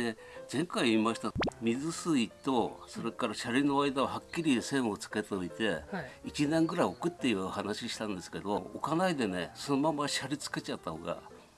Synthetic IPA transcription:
e | zẽ̞ŋkaiimaɕi̥t̪amʲizɨsɨit̪o̞so̞ɾe̞kaɾaɕaɾʲino̞aid̪aohakʲːiɾʲisẽ̞ɰ̃o̞t͡sɨ̥ke̞t̪oit̪e̞it͡ɕinẽ̞ŋɡɯ̟ɾaio̞kɯ̟t̪ːeiɯhanaɕiɕi̥t̪ãnd̪e̞sɨ̥ke̞d̪o̞̰ːkanaid̪e̞ne̞so̞no̞mamaɕaɾʲit͡sɨ̥ke̞t͡ɕat̪ːaho̞̰ɡa̰

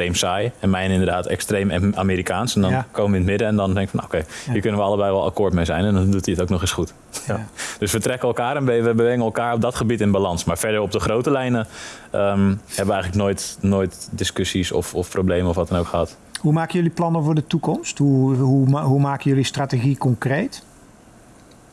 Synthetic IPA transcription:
trejmsaːjɛnmɛjnɪndərdaːtɛ̰kstrejmaːmiːɾikaːnsɛndɔnkowməʋəɪnətmɪdəɛndɔndɛŋkəfɑno̰wkejhiːɹkønənʋəɑlˠəbɛjʋɔlˠa̰koːɹtmejzɛ̰jnɛndɔndutiətowknɔχɪsχut | d̥øsʋətrɛkəɛlˠkaːɾɛnʋəʋəbəʋɛŋənɛlˠkaːɹɔp̚dɔtχəbitɪnbalɑnsmaːɹfɛɹdəɹɔp̚dəχrowtəlɛjnəʔəmhɛbəʋəɛjχələknoːjtnoːjtdɪskøsisɔ̰fɔfproblejməɔfʋɑtdənowkχəɦɑt | ɦumaːkəjøliplɑnəvʊːɹdətukɔmsthuɦuɦumaːkəjølistrateɣikɔŋkrejt

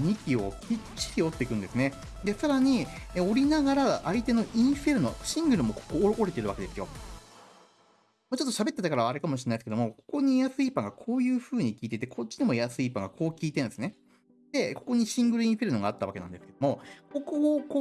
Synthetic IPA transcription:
ɲikʲio̞kʲit͡ɕi̥tio̞t̪ːeikɯ̟̃nd̪e̞sɨne̞ | d̪e̞saɾaɲ̟io̞ɾʲinaɡaɾaʔait̪e̞no̞ʔĩɰ̃ɸe̞ɾɯ̟no̞̰ɕĩŋɡɯ̟ɾɯ̟mo̞ko̥koɾʔoɾet̪eɾɯ̟βake̞d̪e̞sɨjo̞̰ | mot͡ɕo̞t̪ːo̞ɕabe̞t̪ːe̞t̪akaɾaβaːɾɯkamoɕiɾenːaisɨ̥ke̞d̪omo̞ko̞̥ko̞ɲ̟ijasɨipãŋɡakʰo̞ːjɯ̟ːɸɯ̟ːɲ̟ikʲiːt̪e̞t̪e̞kʰot̚t͡ɕːiɲemo̞jasɨipãŋɡakʰo̞ːkʲiːt̪ẽñd̪esɨne̞ | d̪̥e̞ko̞̥ko̞ɲ̟iɕĩŋɡɯ̟ɾɯĩɰ̃ɸe̞ɾɯ̟no̞ɡaːt̪ːaβakenãnd̪e̞sɨ̥ked̪omo̞ko̞kokoː

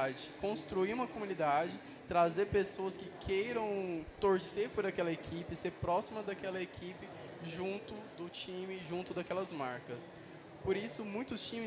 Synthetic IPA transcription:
d͡ʒɪkõst̪ɾuiũmɐkomũnid̪ad͡ʒɪ | t̪ɾazeɾpesoɐskɪkʰejɾɐ̃w̃t̪oɾsepʊɾakɛlɐekʰipɪseɾpɾɔsimɐd̪akɛlɐekʰipɪ | ʒũnt̪ʊd̪ʊt͡ʃĩmɪʒũnt̪ʊd̪akɛlɐzmaɾkɐs | poɾisʊmũj̃t̪ʊst͡ʃĩm

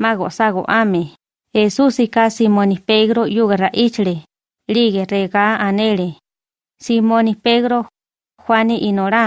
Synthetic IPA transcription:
maɣo̰ʔsaɣo̰ʔame | hesusikasimonipeɣɾojuɣeraʔit͡ʃiɾe | ɾiɣereɣaaneɾe | simonipeɣɾo | xwaniʔinoɾa

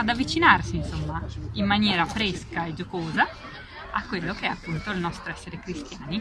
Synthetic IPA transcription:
ad̪avːit͡ʃinarsinsomːaimːanjɛːɾafɾɛskaed͡ʒokoːza | akːwelːokeɛapːunt̪oilnɔst̪ɾoɛsːeɾekɾist̪jaːni

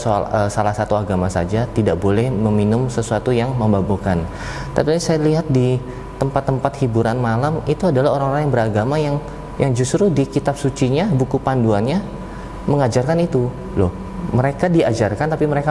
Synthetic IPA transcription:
soa̰əsalahsat̪uaɡamasa̰d͡ʒat̪idaʔbolɛhməminʊmsəsuat̪ujaŋməmbabokan | t̪apisajaliɦat̪̚di | t̪əmpat̪ːəmpat̪hibuɾanmalamit̪uadalahoɾaŋoɾaŋjaŋbəɾaɡamajaŋ | jʔaŋd͡ʒust̪ɾudikit̪ap̚sut͡ʃiɲabukupanduanɲa | məŋad͡ʒarkanit̪u | loh | məɾekadiad͡ʒarkant̪apiməɾeka

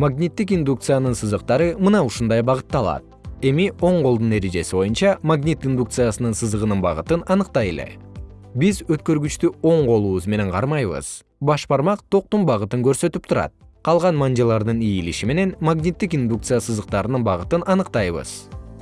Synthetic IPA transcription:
maɡnʲit̪ːik̬ind̪uk̚t̪sɨjanɯnsɯzɯq̚t̪ɑɾɯmɯnɑuʃund̪ɑjbɑʁɯt̪ːɑlˠɑ̰t̪̚e̞mio̞ɴqo̞lˠd̪unːe̞t̪id͡ʒe̞sibo̞junt͡ʃɑmaɡnʲit̪ind̪uk̚t̪sɨjasɯnɯnsɯzəʁənɯnbɑ̰ʁɯt̪ɯnɑnɯqt̪ɑjḛle̞̰ | bizøt̪̚kø̞ɾɡyt͡ʃt̪yo̞ɴqo̞lˠuːβuzme̞ne̞ɴqʰɑ̰ɾmɑjβɯ̰z̥ | bɑʃbɑɾmɑqt̪ʰo̞q̚t̪umbɑʁɯt̪ɯŋkø̞ɾsø̞t̪yp̚t̪ʰuɾɑ̰t̪̚qʰɑlˠʁɑnmand͡ʒɑlˠɑɾd̪ɯnijiliʃime̞ne̞nmaɡnʲit̪ːikind̪uk̚t̪sɨjasɯzd̪əq̚t̪ɑɾɯnɯnbɑʁɯt̪ɯnɑnɯqt̪ɑjβɯ̰z̥

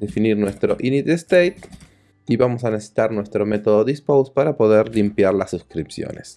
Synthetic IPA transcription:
efiniɾnwest̪ɾo̞ʔinit̪est̪ejt̪ | iβamosanesesi̥t̪aɾnwe̞st̪ɾo̞me̞t̪o̞ðoðispowspaɾapo̞ðe̞ɾlimpjaɾlasːuskɾipsjo̰nḛs

